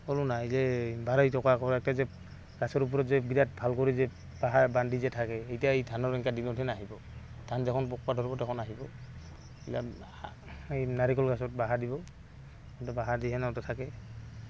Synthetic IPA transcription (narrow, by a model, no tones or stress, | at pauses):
ɔlunaejzɛbaɹɔjtɔkakɔɹɛk̚tazɛ | ɡ̥asɔɹup̬ɔɹɔzɛbidat̚bʱalkɔɹizɛ | baɦabandizɛtʰakɛejtijaejdʰʱanɔɹɛŋkadinɔtʰɛnaɦibɔ | d̥ʰʱanzɛkʰɔnpɔk̚padʱɔɹbɔtɛkʰɔnaɦibɔ | ila | ejnaɹikɔlɡasɔt̚baɦadibɔ | ɔtɔbaɦadiɦɛnaɔtɔtʰakɛ